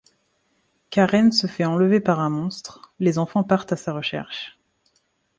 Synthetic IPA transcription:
kaʁɛnsəfɛɑ̃ləvepaʁɛ̃mɔ̃st̪χlezɑ̃fɑ̃paʁt̪asaʁəʃɛ̰ʁʃ

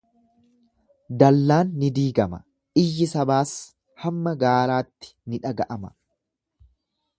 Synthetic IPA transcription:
d̪ɐlːaːnːɪd̪iːɡɐmɐ | ɪjːɪsɐbaːs | hɐmːɐɡaːɾaːt̪ːɪ̥nɪᶑɐɡɐʔɐmɐ

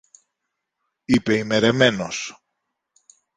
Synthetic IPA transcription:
ipe̞ime̞ɾe̞me̞nos

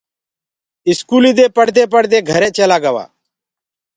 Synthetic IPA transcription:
ɪskuːliːd̪eːpəɽ̤d̪eːpəɽd̪eːɡʱəɾeːʔt͡ʃəlaːɡəʋa̰ː

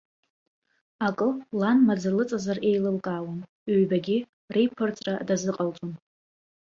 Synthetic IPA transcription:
akʼɨlanmad͡zɨlɨt͡sʼazare̞jlɨlkʼawan | eɥbaɡʲi | rejpʰɨrt͡sʼradazɨqʼalt͡sʼon

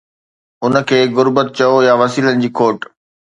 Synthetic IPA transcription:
ʊnə̆kʰeːɣʊɾbət̪̚t͡ɕɐojaʋɐsiːlənɪ̆d͡ʑiːkʰoːʈ

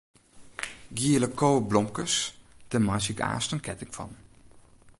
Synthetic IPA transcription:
ɡiələkʰoːblɔmkəsd̥əmasika̰ːstənkʰɛtɪkfɑ̰n

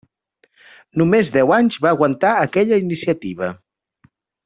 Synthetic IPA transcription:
numezd̪ɛwaɲzβaːɣwənt̪aəkɛʎəinisiət̪iβə

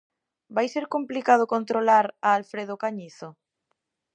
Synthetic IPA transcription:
bajseɾkomplikað̞ʊkont̪ɾolaɾaːlfɾeð̞okaɲiθo

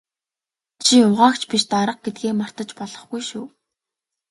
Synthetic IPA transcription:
t͡ɕʰiʊʁaːkt͡ɕʰpiʃt̪aɾə̆q̚ɡet̪̚ɡeːmar̥t̪ə̆t͡ɕpɔɮɞ̆χɡujʃuː

